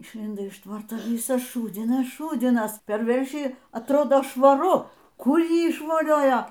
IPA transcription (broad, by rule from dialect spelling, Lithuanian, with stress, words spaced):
ɪʃʲˈlʲɪndoː ɪʃ ˈtʋɐrtoː ˈʋʲɪsɐs ˈʃuːd͡zʲɪnɐs ˈʃuːd͡zʲɪnɐs pʲɛr ˈʋʲɛrʲʃʲiː ɐtˈroːdoː ʃʋɐˈrʊ ˈkʊr ˈjiː ɪʃʋoːˈlʲoːjoː